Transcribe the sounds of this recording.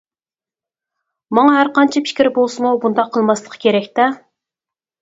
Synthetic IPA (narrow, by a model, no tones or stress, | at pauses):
mɑŋɑɦæɾqɑnt͡ʃʰipʰɪ̥kʲɾɪbolˠsɨmubund̪ɑqʰːəlˠmɑslˠəqʰə̥kʲʰeɾɛkʲt̪ɛ